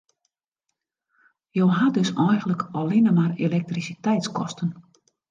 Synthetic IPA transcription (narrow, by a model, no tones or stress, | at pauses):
joːɦadøsɔjɣənləkɔlinəmarelɛk̚trisitɛjtskɔ̰stən